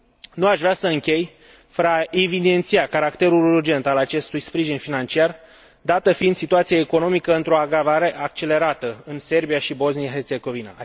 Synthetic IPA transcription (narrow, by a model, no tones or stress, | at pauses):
nuaʃvɾeasəɨŋkʲe̞j | fəɾəaevid̪e̞nt̪sijakaɾakt̪e̞ɾulurd͡ʒe̞nt̪alat͡ʃe̞st̪ujspɾiʒinfinant͡ʃiar | d̪at̪əfiind̪sit̪uat̪sijeeko̞no̞mikəɨnt̪ɾo̞aɡɾavaɾe̞ʔak̚t͡ʃe̞leɾat̪əɨnse̞rbijaʃibo̞znijaɦe̞rt̪se̞ɡo̞vina̰